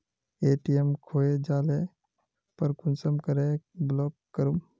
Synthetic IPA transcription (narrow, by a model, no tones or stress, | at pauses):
eːʈiemkʰoːed͡ʒaːle | pəɾkʊnsəmkəɾeblɔːkːəɾum